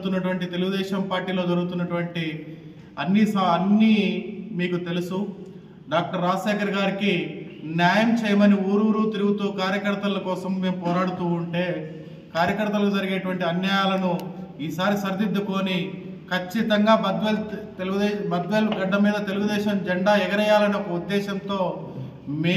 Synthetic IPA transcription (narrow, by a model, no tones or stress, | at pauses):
t̪unːɐʈuʋɐɳʈit̪eluɡud̪ɛːʃɐmpaːɾʈiːlo̞ːd͡ʒɐɾuɡut̪unːɐʈuʋɐɳʈi | ɐnːisaɐnːimiːkut̪e̞lusu | ɖaːk̚ʈɐɾːaːsɛːkɐɾɡaːɾikinjaːjɐmt͡ʃɛːjɐmɐniuːɾuːɾut̪iɾuɡut̪uːkaːɾjɐkɐɾt̪ɐlɐkɔːsɐmːe̞ːmupɔːɾaːɽut̪uːuɳʈe̞ː | kaːɾjɐkɐɾt̪ɐlɐkud͡ʒɐɾiɡinɐʈuʋɐɳʈiɐnjɐjaːlɐnuiːsaːɾisɐɾd̪ʱid̪ːuko̞ːni | kʰɐt͡ʃːit̪ɐŋɡaːɐd̪ʋlt̪ld̪ɛbɐd̪ʋɐlɡɐɖːɐmiːd̪ɐt̪e̞luɡud̪ɛːʃɐmd͡ʒɛɳɖaːɛɡɐɾɐjaːlɐnokɐud̪ːɛːʃɐnt̪o̞ː | meː